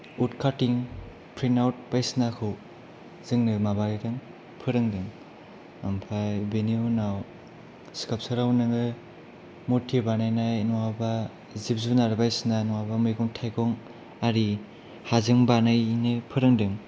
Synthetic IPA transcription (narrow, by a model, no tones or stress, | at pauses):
utkʰatiŋ | pʰɾinawt̚bajsnakʰɯw | zɯŋnɯmabaɾidɯŋ | pʰɯɾɯŋdɯŋ | ampʰajbenijunaw | skap̚sɯɾawnɯŋɯ | mutʰibanajnajnɔwaba | zip̚zunaɾbajsnanɔwabamɯjɡuŋtʰajkɔŋ | aɾi | hazɯŋbanajnɯpʰɯɾɯŋdɯŋ